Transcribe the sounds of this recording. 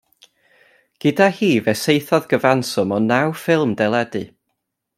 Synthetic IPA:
ɡ̥ɨdahiːvɛsejθɔðɡəvansɔmɔnawfɪlˠmdɛlˠɛdɨ

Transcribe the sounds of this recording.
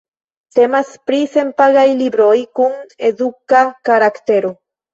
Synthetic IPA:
t̪emaspɾisempaɣajliβɾojkuŋeðukakaɾakt̪eɾo

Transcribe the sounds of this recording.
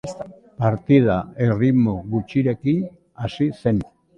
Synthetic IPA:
paɾt̪ið̞ae̞rimoɣut͡ʃiɾe̞ki | asise̞n

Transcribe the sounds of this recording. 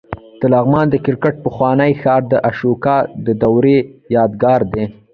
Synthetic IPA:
t̪əlaɣmɑnd̪əkɪɾkəʈ̚pəxwɑnəjxɑɾd̪əʔaʃukɑd̪əd̪awɾejɑːd̪ɡɑɾd̪e

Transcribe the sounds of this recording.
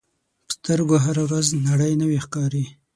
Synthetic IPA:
pə̥st̪əɾɡoɦaɾawɾaznaɽəjnəwixkɑɾi

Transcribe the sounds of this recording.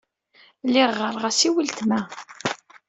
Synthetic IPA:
lɪʁːəɾˤʁæsiwəlt̪mæ

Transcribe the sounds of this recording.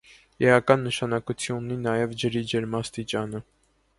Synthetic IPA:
ɛɑkɑnːəʃɑnɑkut͡sʰjunːinɑjɛvd͡ʒəɾid͡ʒɛɾmɑst̪it͡ʃɑnə

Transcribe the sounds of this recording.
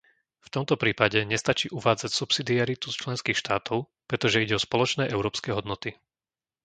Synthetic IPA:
ft̪ɔmt̪ɔpɾiːpaɟɛɲɛst̪at͡ʃiːʔuʋaːd͡zacsupsid̪iaɾit̪ust͡ʃlɛnskiːxʃt̪aːt̪ʰɔʊ | pɾɛt̪ɔʒɛiɟɛɔspɔlɔt͡ʃnɛːʔɛʊɾɔːpskɛːɦɔd̪nɔt̪i

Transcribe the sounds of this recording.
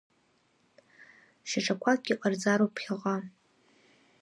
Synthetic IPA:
ʃaʈ͡ʂʰʼakʷʰakʲːiʔʷʼard͡zaɾopʰχʲaʁa

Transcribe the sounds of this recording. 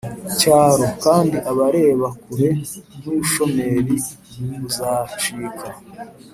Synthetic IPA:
caːɾo̞kaːndiʔaβaɾe̞ːβakuɾe̞nuuʃo̞me̞ɾi | muβuzaːt͡ʃiːka

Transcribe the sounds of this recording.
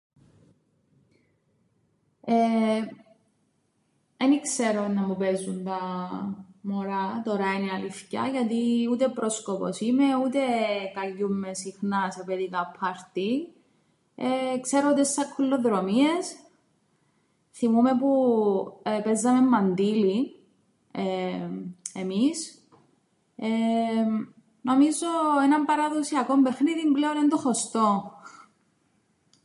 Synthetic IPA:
e | enikseɾonɐmupezːunt̪ɐ | moɾɐt̪o̞ɾɐiniɐlifcɐ̰ʝɐt̪iut̪epɾo̞skopo̰simeut̪ekɐʎːumːesixnɐsepeðikɐpʰːɐɾt̪i | ekseɾout̪esːɐkʰːulːoðɾomie̞s | θimumepu | pezːɐme̞mːɐnd̪ili | e | emis | e | no̞mizoenɐmbɐɾɐðosiɐko̞mbexniðimbleonend̪oxost̪o

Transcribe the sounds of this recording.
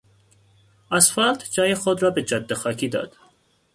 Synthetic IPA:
æsfæld̪d͡ʒɒːjexod̪ɾɒːbed͡ʒɒd̪ːexɒːcʰiːd̪ɒ̰ːd̪̥

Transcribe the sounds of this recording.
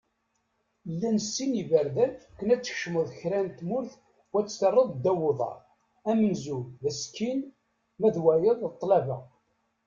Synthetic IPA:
lːænəsːinivəɾðækːənæt͡sːə̥çʃməðˤçɾænt̪mʊɾθ | wæt͡sːθərˤːəðˤd̪æwoðˤɑ̰ɾˤ | æmənzuðæskin | mæðwæjəðˤət̪ˤːlævə

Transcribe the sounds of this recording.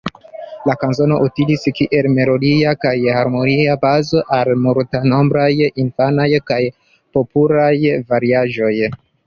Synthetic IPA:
lakanzo̞no̞ʔutiliskiʔe̞lme̞lo̞diakajhaɾmo̞niabazo̞ʔalmuɾtano̞mbɾajinfanajkaj | po̞pulajvaɾiaʒo̞j

